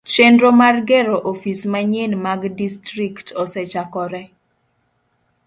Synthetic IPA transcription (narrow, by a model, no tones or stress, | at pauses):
t͡ʃendɾomarɡɛɾoʔofismaɲenmaɡdistɾiktʰɔsɛt͡ʃakɔɾɛ